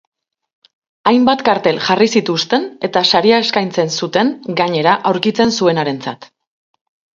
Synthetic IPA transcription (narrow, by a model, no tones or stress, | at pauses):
ajmbat̪kaɾt̪e̞lʝarisit̪ust̪e̞ne̞t̪asaɾiae̞skajnt͡se̞nsut̪e̞nɡaɲe̞ɾaʔawɾkit͡se̞nsue̞naɾe̞nt͡sat̪